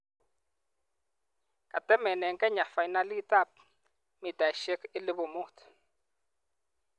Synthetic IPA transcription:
ka˨tɛ˦mɛ˨nɛ˨ŋkʼɛ˦ɲa˨fa˨i˨na˦li˦ta˦˨p̚ | mi˨ta˨i˨ʃe˦kɪ˦lɪ˦bo˨mu˦t

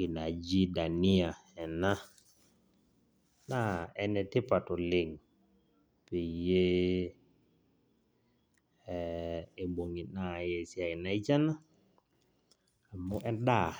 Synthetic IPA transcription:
kɪ˨na˨d͡ʒi˦da˨nɪ˦a˨ | ɛ˨na˦ | na˦ɛ˨nɛ˨tɪ˦pa˨tɔ˨lɪ˨ŋ | pe˨je˦˨ | e˨bo˨ŋi˨na˦˨jɛ˨sja˨ɪ˨na˨˦i˦t͡ʃa˦na˦ | a˨mo˦ʔɛ˦da˦˨

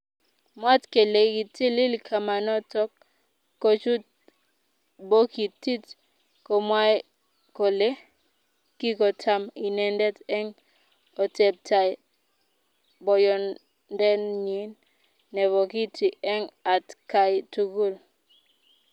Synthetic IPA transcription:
mwa˦tke˨le˨ki˨ti˦li˦lkʰa˨ma˨nɔ˦tɔ˦k̚ː | o˨t͡ʃu˦t | bo˦ki˨ti˦t | kɔ˨mwa˦j | ko˨le˦ | ki˦kɔ˨tʰa˦mi˨nɛ˨ndɛ˦tɛ˦ŋ | ɔ˨tɛ˨b̚ta˨j | bɔ˨jɔ˨n | ndɛ˦nɲi˨˦nː | ɛ˨βɔ˨ki˦ti˨ɛ˦ŋa˨tka˨jtu˨ɡu˦˨l

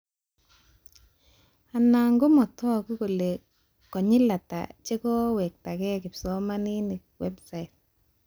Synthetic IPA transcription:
a˨na˨ŋɡo˦mɔ˨tɔ˦a˨ku˦ko˨le˨ | kɔ˨ɲɪ˦la˨ta̰˨t͡ʃe˦kɔ˦wɛ˨k̚ta˨kɛ˦kɪ˨psɔ˦ma˦ni˦nɪ˨k̚wɛ˦bsa˨jt̚

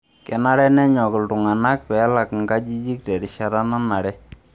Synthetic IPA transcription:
kɛ˨na˦ɾɛ˦nɛ˦ɲɔ˨kɪ˨ltʊ˨ŋa˨na˦k̚pɛ˨˦la˨kŋɡa˦d͡ʒi˦d͡ʒi˦k̚tɛ˨ɾɪ˨ʃa˦ɾa˦na˦na˨ɽɛ˦

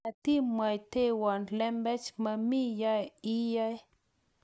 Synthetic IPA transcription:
a˨t̪i˦ma˨jt̪e˦wa˨nlɛ˦mbɛ˦t͡ʃma˧mi˦ja˦ji˦ja˦j

